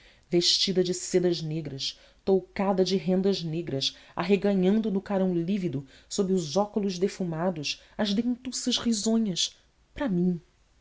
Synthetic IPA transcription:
veʃt͡ʃid̪ɐd͡ʒɪsed̪ɐʒneɡɾɐs | t̪owkad̪ɐd͡ʒɪɦẽnd̪ɐʒneɡɾɐsa̰ɦeɡɐɲɐ̃nd̪ʊnʊkaɾɐ̃w̃livid̪ʊsobɾɪʊzɔkʊlʊʒd̪efumad̪ʊʃ | ɐzd̪ẽnt̪usɐʃhizõɲɐʃ | pɾɐmĩ

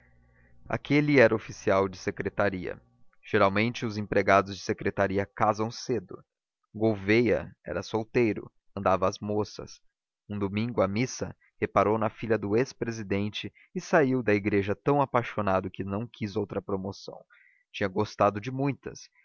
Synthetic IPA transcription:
a̰kʰelɪɛɾɐofisiawd͡ʒɪsekɾet̪aɾiɐ̰ | ʒ̥eɾawmẽnt͡ʃɪʊzẽpɾeɡad̪ʊzd͡ʒɪsekɾet̪aɾiɐkazɐ̃w̃sed̪ʊ̰ | ɡowvejɐ̰ɛ̰ɾɐsowt̪ejɾʊ̰ | ɐ̃nd̪avɐːzmosɐ̰s | ũd̪omĩŋɡʊɐmisɐ̰ | hepaɾownɐfiʎɐd̪ʊespɾezid̪ẽnt͡ʃɪː | saiwd̪ɐiɡɾeʒɐt̪ɐ̃w̃apajʃonad̪ʊkɪnɐ̃w̃kʰizowt̪ɾɐpɾomosɐ̰̃w̃ | t͡ʃĩɲɐɡost̪ad̪ʊd͡ʒɪmũj̃t̪ɐ̰s

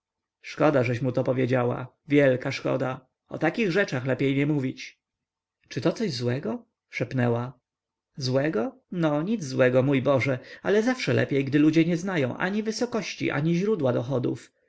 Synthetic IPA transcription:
ʂkɔd̪aʐɛɕmut̪ɔpɔvʲjed͡ʑawa̰ | vʲjɛlkaʂkɔ̰d̪a | ɔ̰t̪akʲiɣʐɛt͡ʂaxlɛpʲjejɲɛmuvʲit͡ɕ | t͡ʂɘt̪ɔt̪sɔʑzwɛɡɔ | ʂɛpnɛwa | zwɛɡɔ | nɔɲid̪zzwɛɡɔmujbɔʐɛalɛzafʂɛlʔɛ̰pʲjejɡd̪ɘlud͡ʑɛɲɛznajɔ̃w̃ʔa̰ɲivɘsɔkɔɕt͡ɕḭʔa̰ɲiʑɾud̪wad̪ɔxɔd̪ṵf

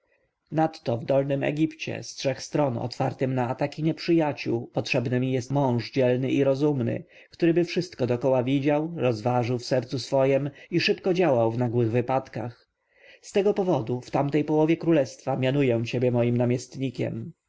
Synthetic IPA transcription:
nat̪ːɔvd̪ɔlnɘmɛ̰ɡʲipt͡ɕɛ̰stʂɛxst̪ɾɔnɔ̰t̪faɾt̪ɘmnaːt̪akʲiɲɛpʂɘjat͡ɕuwpɔtʂɛbnɘmʲijɛst̪mɔ̃w̃ʐd͡ʑɛlnɘʔiɾɔzumnɘ̰ | kt̪uɾɘbɘfʂɘst̪kɔd̪ɔkɔwavʲid͡ʑawɾɔzvaʐɘwfsɛɾt̪susfɔjɛmiʂɘpkɔd͡ʑawawvnaɡwɘɣvɘpat̪kax | st̪ɛɡɔpɔvɔd̪uft̪amt̪ɛjpɔwɔvʲjɛkɾulɛst̪famʲjanujɛw̃t͡ɕebʲjɛmɔjimnamʲjɛst̪ɲikʲɛ̰m

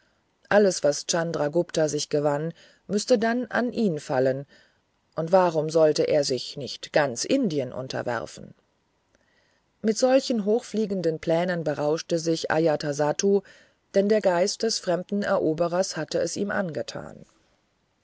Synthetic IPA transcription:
ʔaləsv̥ast͡sandʁaɡʊptazɪçɡ̥əvan | mʏstədanʔa̰nʔiːnfalən | ʔʊntv̥aːʁʊmzɔltəʔeːɐzɪçnɪçtɡ̥ant͡sʔɪndiənʔʊ̰ntʰɐ̰vɛ̰ʁ̰fn̩ | mɪtz̥ɔlçən̩ɦoːxfliːɡn̩dənpʰl̥ɛːnənbəʁaʊʃtəzɪçʔa̰jatʰazatʰu | d̥ɛndeːɐɡaɪst̚d̥ɛsfʁ̥ɛmdn̩ɛɐʔoːbəʁɐshatəɛsiːmʔa̰nɡətʰa̰ːn

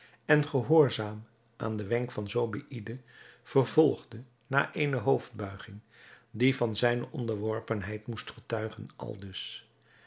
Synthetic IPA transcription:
ɛnχəɦʊːɹzaːm | ʔa̰ːndəʋɛŋkfɑnzowbḭʔidəv̥ərvɔlˠχdə | na̰ːʔejnəɦowvd̚bœɥχɪŋ | divɑnzɛjnəʔɔndəɹʋɔɹpənɦɛjtmustχətœɥχə̰nʔɑ̰lˠdɵs

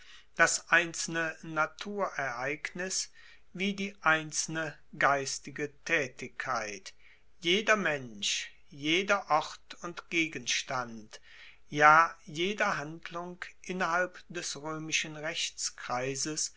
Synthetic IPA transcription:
d̥asʔaɪnt͡sl̩nənatʰuːɐʔɛɐʔaɪknɪs | viːdiːʔaɪnt͡sl̩nə | ɡaɪstɪɡətʰɛːtɪkʰːaɪt | jeːdɐmɛnʃ | jeːdɐʔɔʁtʊntɡ̥eːɡənʃtant | jaːjeːdɐɦandlʊŋkʔɪnɐhalpd̥ɛsʁøːmɪʃənʁɛçt͡skʁ̥aɪzəs

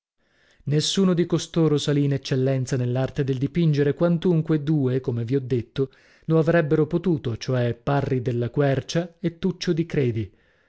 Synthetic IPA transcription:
nesːuːnod̪ikost̪oːɾosaliːnet͡ʃːelːɛnt̪sanelːart̪ed̪eld̪ipind͡ʒeɾekwant̪uŋkwed̪uːekomeviɔd̪ːet̪ːo | loavɾɛbːeɾopot̪uːt̪ot͡ʃoɛpːarːid̪elːakwɛrt͡ʃaet̪ːut͡ʃːod̪ikɾeːd̪i

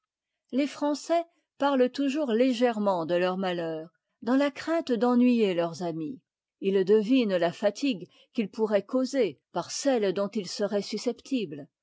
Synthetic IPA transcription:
lefχɑ̃sɛ | paʁlət̪uʒuʁleʒɛʁmɑ̃d̪əlœʁmalœːʁ | d̪ɑ̃lakχɛ̃t̪d̪ɑ̃nɥijelœʁzami | ild̪əvinlafat̪ʰiɡ | kʲilpuʁɛkozepaʁsɛld̪ɔ̃t̪ilsəʁɛsysɛpt̪ʰibl

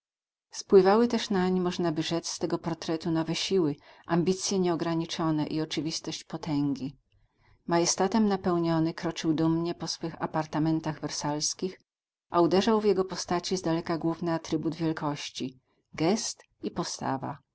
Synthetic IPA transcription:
spwɘvawɘt̪ɛʂnaɲimɔʐnabɘʐɛt̪sst̪ɛɡɔpɔɾt̪ɾɛt̪unɔvɛɕiwɘʔambʲit̪sʲjɛɲɛɔɡɾaɲit͡ʂɔnɛʔiɔt͡ʂɘvʲist̪ɔɕt͡ɕpɔt̪ʰɛŋɡʲi | majɛst̪at̪ɛmnapɛwɲɔnɘkɾɔt͡ʂɘwd̪umɲɛpɔsfɘxapaɾt̪amɛnt̪aɣvɛɾsalskʲix | ʔaud̪ɛʐawvjɛɡɔpɔst̪at͡ɕizd̪alɛkaɡwuvnɘat̪ɾɘbud̪vʲjɛlkɔɕt͡ɕi | ɡɛst̪ | ipɔst̪a̰va̰

